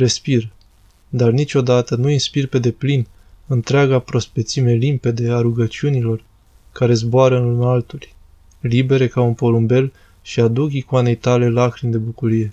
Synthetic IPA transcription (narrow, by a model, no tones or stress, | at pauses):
ɾe̞spir | d̪arnit͡ʃʲo̞d̪at̪ənuinspirpe̞d̪e̞plin | ɨnt̪ɾeaɡapɾo̞spet̪sime̞limpe̞d̪eaɾuɡət͡ʃiunilo̞r | kaɾe̞zboaɾəɨnlunalt̪ulʲ | libe̞ɾe̞kaunpo̞lumbe̞l | ʃiad̪ukikoane̞jt̪ale̞lakɾind̪e̞bukuɾije̞